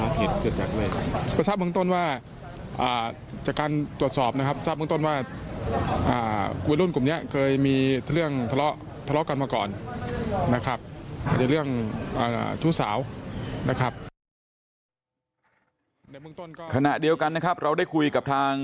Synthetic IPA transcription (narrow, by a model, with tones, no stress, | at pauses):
aː˧˥k̪ʰeː˨˩t̪̚kʰɯ˨˧˩t̪̚t͡ɕaː˨˩k̚lɯː˧˩jkʰa˥˩pa˧˩saː˦˥˩p̚mɯ˥˧ŋt̪o˥˩nwaː˥˩ | ʔaː˨˩ | t͡ɕa˨˩kaː˧nt̪u˨˩əsɔː˨˩p̚na˦˥kʰa˦˥p̚saː˥˩mɯ˥˧t̪o˥˩˨nwaː˥˩ | ʔa̰ː˨˩˧we˧nlu˥˩nklu˨˩ni˦˥ɐkʰɤː˧jmiː˧t̪ʰlɯ˥˩əŋt̪ʰa˧lɔ˦˥ʔ | t̪ʰa˧lɔ˦˥ka˧nmaː˧kɔː˨˩nː | a˦˥kʰa˦˥p̚a̰ː˧˩t͡ɕa˨˩ɾɯ˥˩əŋʔa̰ː˨˩˨t͡ɕʰuː˦˥˩sa̰ː˩˦wna˦˥kʰa˦˥p̚ | na˧˥˩jmɯ˥˩əŋt̪o˥˩˨nkɔː˥˩kʰa˧na˨˩ʔdi˧əwka˧nːa˦˥kʰa˦˥p̚ɾa˧wdaː˥˩jkʰu˧jka˨˩p̚t̪ʰaː˧ŋ